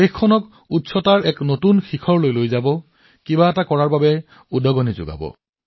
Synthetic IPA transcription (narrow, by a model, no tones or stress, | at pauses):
exkʰːɔnɔk | utsɔtaɹɛknotunxikʰɔɹlojlojzabɔ | kibaɛtakɔɹaɹbabɛ | udɔɡɔnizʊ̰ɡa̰bɔ̰